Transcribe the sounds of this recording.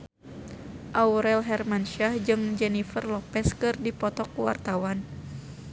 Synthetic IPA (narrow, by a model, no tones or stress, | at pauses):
ʔauɾɛlɦɛrmanʃahd͡ʒɨŋd͡ʒɛnifərlɔpɛskɨrdipɔt̪ɔkuwa̰rt̪awan